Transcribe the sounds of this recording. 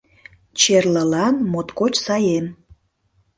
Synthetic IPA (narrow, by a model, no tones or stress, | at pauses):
t͡ɕerləlɑnmot̪kot͡ɕsɑjem